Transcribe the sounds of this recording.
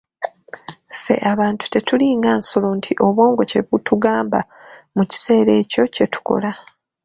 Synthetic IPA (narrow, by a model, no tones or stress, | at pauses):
fe̞̰ʔaβaːntu̥te̞tuliːŋɡaːnso̞lo̞ntʰiʔo̞βo̞ːŋɡo̞ce̞βutʰuɡaːmba | muci̥se̞ːɾe̞ːco̞ce̞tu̥ko̞̰la